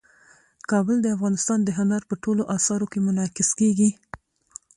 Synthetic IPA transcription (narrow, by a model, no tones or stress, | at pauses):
kɑbəld̪əafɣɑnɪst̪ɑnd̪əɦʊnaɾpəʈoloʔɑsɑɾokemʊnɑkɪskeɡi